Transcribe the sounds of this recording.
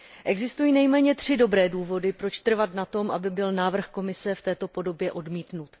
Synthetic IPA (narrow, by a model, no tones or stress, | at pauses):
ʔɛɡzɪst̪ujiːnɛjmɛːɲɛt̪r̝̥ɪdo̞bɾɛːduːvo̞dɪpɾo̞t͡ʃt̪r̩vat̪nat̪o̞mʔabɪbɪlnaːvr̩xko̞mɪsɛft̪ɛːt̪o̞po̞do̞bjɛʔo̞dmiːt̪nut̪